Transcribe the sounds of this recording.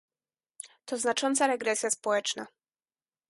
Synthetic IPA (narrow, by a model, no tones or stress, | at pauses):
t̪ɔznat͡ʂɔnt̪saɾɛɡɾɛsʲjaspɔwɛt͡ʂna